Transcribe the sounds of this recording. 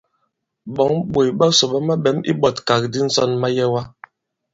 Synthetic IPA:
ɓɔ˨˦ŋɓo˨jɓa˦so˨ɓa˦ma˦ɓɛ˨˦mḭ˦ɓɔ˦˨tka˨k̚di˦n̩˦sɔ˦˨nma˦jɛ˦wa˦

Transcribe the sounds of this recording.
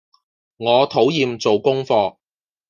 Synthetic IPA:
ŋɔː˨˧t̪ʰo˨˥wjiː˧mt͡so˨wkʊ˥ŋfɔː˧

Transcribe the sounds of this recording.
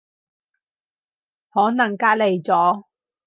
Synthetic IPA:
hɔː˨˥nɐ˨˩ŋkaː˥t̚le˨˩jt͡sɔː˨˥

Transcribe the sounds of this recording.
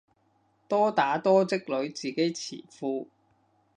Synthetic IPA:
t̪ɔː˥t̪aː˨˥t̪ɔː˥t͡sɪ˥k̚lɵ˨˥ɥt͡siː˨ke˨˥jt͡sʰḭː˨˩fuː˧

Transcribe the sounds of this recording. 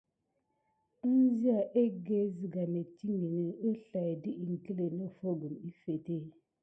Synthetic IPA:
zi˦a˨ʔe˦ɡe˦zi˨ɡa˨ne˨ti˦ŋi˨ni˨ə˦ɬa˨di˦ʔi˨ŋ˨ki˦le˨no˦fo˦ɡu˨mi˦fe˨te˦˨

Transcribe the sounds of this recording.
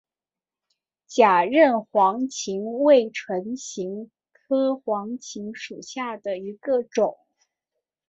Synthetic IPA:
t͡ɕja˨˩ɻə˥˩nxwɑ˧˥ŋt͡ɕʰi˧˥ŋwe˥˩ɪʈ͡ʂʰwə˧˥nɕi˧˥ŋ | kʰɤ˥xwɑ˧˥ŋt͡ɕʰi˧˥ŋʂu˨˩ɕja˥˩d̪ə˩i˧˥ɡə˧ʈ͡ʂʊ˨˩˦ŋ

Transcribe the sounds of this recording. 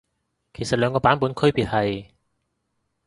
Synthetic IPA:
kʰe˨˩jsɐ˨t̚lœː˨˧ŋkɔː˧paː˨˥npuː˨˥nkʰɵ˥ɥpiː˨t̚hɐ˨j

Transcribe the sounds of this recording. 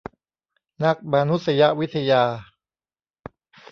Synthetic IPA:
na˦˥k̚ma˧nu˦t̪̚sa˧ja˦ʔwi˦˥t̪ʰːa˧jaː˧

